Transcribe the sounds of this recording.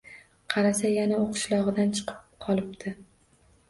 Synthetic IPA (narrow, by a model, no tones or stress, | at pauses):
qʰɑɾasajanauqʰɨ̥ʃlˠɒʁɨd̪ant͡ʃʰɨ̥qʰɨ̥p̚qʰɒlˠɪpt̪ʰɪ